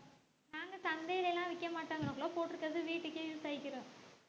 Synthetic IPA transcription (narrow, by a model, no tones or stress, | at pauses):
naːŋɡɐt̪ɐnd̪ejlɛlːãːʋɪkːɐmaːʈːaːŋɡɐɾɐ̃ŋɡɐɭoːpoːʈːɯɾɯkːɾɐðɯʋiːʈːɯkːɯjuːsɐːɪkːɪɾõː